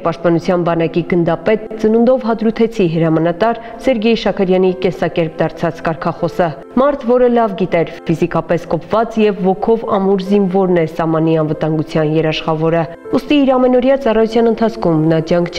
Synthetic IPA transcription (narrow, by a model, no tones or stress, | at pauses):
pɑʃt̪̚pɑnut͡sʰjɑnbɑnɑkiɡənd̪ɑpɛt̪t͡sənund̪ɔvɦɑd̪ɾut̪ʰɛt͡sʰiɦəɾɑmɑnɑt̪ɑɾ | sɛɾɡɛjʃɑkʰəɾjɑnikɛnsɑkɛɾp̚d̪ɑɾt͡sʰɑt͡skɑɾkʰɑχɔsə | mɑɾt̪ʰvɔɾəlɑvɡit̪ɛɾfizikɑpɛskɔpvɑt͡sjɛvːɔkʰɔvɑ̰muɾzinvɔɾnɛsɑhmɑn̪iɑnvət̪ɑŋɡut͡sʰjɑnjɛɾɑʃχɑvɔɾə | ust̪iːɾɑmɛnɔɾjɑt͡sɑrɑjut͡sʰjɑnənt̪ʰɑt͡sʰkʰumnɑd͡ʒjɑŋkʰt͡ʃʰɛ